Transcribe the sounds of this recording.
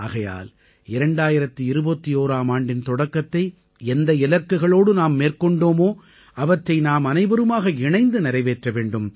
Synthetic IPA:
a̰ːɣɐja̰ːl | ɪɾɐɳɖaːjɪɾɐt̪ːɯɪɾɯbɐt̪ːioːɾaːmaːɳɖɪnt̪ɔɽɐkːɐt̪ːɐɪ | ɛnd̪ɐɪlɐkːɯɣɐɭoːɽɯnaːmːeːrkɔɳɖoːmoː | ɐʋɐʈrɐɪnaːmɐnɐɪbɐɾɯmaːɣɐɪɳɐɪnd̪ɯnɪɾɐɪʋeːʈrɐʋeːɳɖɯm

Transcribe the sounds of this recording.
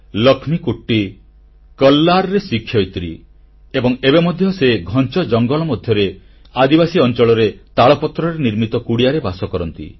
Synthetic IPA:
lɔkʰmikuʈːi | kʌlːaɾɔɾesikʰːjɔjt̪ɾḭ | ebɔŋebemɔd̪ʱjɔseɡʱɔnt͡ʃɔd͡ʒɔŋɡɔlɔmɔd̪ʱjɔɾe | ad̪ibasiɔnt͡ʃɔɭɔɾet̪aɭɔpɔt̪ɾɔɾeniɾmit̪ɔkuɽijaɾebasɔkɔɾɔnt̪ḭ

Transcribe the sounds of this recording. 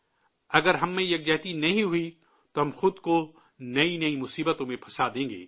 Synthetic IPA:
ɐɡəɾɦɐmːẽjɐk̚d͡ʒɛːt̪inɐɦĩɦʊi | t̪oɦɐ̃mxʊd̪ko | nɐinɐimʊsiːbət̪õmẽpʰɐsad̪ẽːŋɡḛː

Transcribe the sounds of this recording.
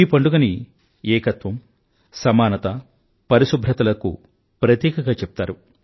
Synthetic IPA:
iːpɐɳɖuɡɐni | ɛːkɐt̪ʋɐm | sɐmaːnɐt̪ɐ | pɐɾisubʱɾɐt̪ɐlɐkṵ | pɾɐt̪jɛːkɐɡaːt͡ʃɛpu̥t̪aːɾu

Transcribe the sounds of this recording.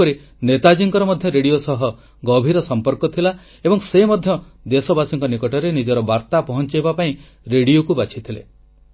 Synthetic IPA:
ɔɾi | net̪ad͡ʒiŋkɔɾɔmɔd̪ʱjɔɾeɽijosɔɦɔ | ɡɔbʱiɾɔsɔmpɔɾkɔt̪ʰila | ebɔŋsemɔd̪ʱjɔd̪esɔbasiŋkɔnikɔʈɔɾenid͡ʒɔɾɔbaɾt̪apɔɦɔnt͡ʃajbapaĩ | ɾeɽiokubat͡ʃʰit̪ʰilḛ

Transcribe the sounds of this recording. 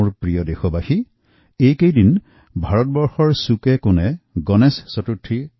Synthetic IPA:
ɹpɹijɔdexɔbaxi | ejkejdin | bʱaɹɔt̚bɔɹxɔɹsukɛkʊnɛɡɔnɛsːɔtutʰːi

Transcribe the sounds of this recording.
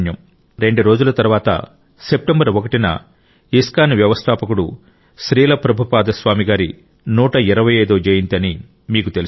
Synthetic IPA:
njɐm | ɾe̞ɳɖuɾo̞ːd͡ʒulɐt̪ɐɾuʋaːt̪ɐ̰ | se̞p̚ʈembɐɾokɐʈinɐ̰ | iskaːniʋjɐʋɐst̪ʰaːpɐkuɽu | ʃɾiːlɐpɾɐbʱupaːd̪ɐsʋaːmiɡaːɾi | nuːʈɐiɾɐʋɐjeːd̪oːd͡ʒeːjint̪ɐni | miːkut̪el

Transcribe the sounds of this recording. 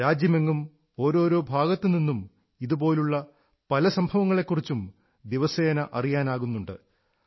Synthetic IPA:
ɾaːd͡ʑjɐmeŋːum | o̞ːɾo̞ːɾo̞ːbʱaːɣɐt̪ːɨninːum | iðubo̞ːluɭːɐ | pɐlɐsɐmbʱɐʋɐŋːɐɭe̞kːurit͡ɕːum | d̪iʋɐseːnɐʔɐrijaːnaːɣunːuɳɖɨ

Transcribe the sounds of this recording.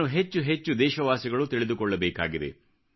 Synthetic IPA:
uɦet͡ʃːuɦet͡ʃːud̪ɛːʃɐʋaːsiɡɐɭut̪iɭid̪ukɔɭːɐbɛːka̰ːɡid̪e̞̰

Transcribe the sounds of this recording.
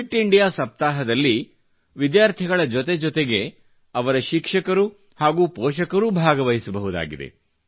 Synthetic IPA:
iʈːiɳɖijaːsɐp̚t̪aːɦɐd̪ɐlːi | ʋid̪jaːɾt̪ʰiɡɐɭɐd͡ʒɔt̪e̞d͡ʒɔt̪eɡe̞ | ɐʋɐɾɐʃikʂɐkɐɾu | haːɡuːpɔːʃɐkɐɾuːbʱaːɡɐʋɐɦisɐbɐɦud̪a̰ːɡid̪e̞̰

